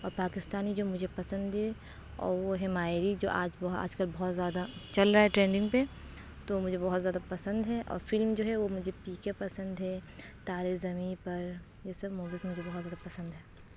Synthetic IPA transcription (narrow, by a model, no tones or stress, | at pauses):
ɔːɾpaːkɪst̪aːnid͡ʒoːmʊd͡ʒʱepɐsə̃nd̪ɦɛ | ɔ̰ːɾʋoɦɛmaːɪɾid͡ʒo̰ːʔaːd͡ʒbɔa̰ːd͡ʒkɐlbɔɦʊt̪zjaːd̪at͡ʃɐlɾaaɦɛʈɾẽːɳɖɪ̃ŋɡpe | t̪omʊd͡ʒʱebɔɦɔt̪zjaːd̪apɐsə̃nd̪ɦɛʔɔ̰ːɾfɪlmd͡ʒoːɦɛʋomʊd͡ʒʱepiːkepɐsə̃nd̪ɦɛ | t̪aːɾezɐmipɐɾ | jesɐbmoːbisemʊd͡ʒʱebɔɦɔt̪zjaːd̪apɐsə̃nd̪ɦɛː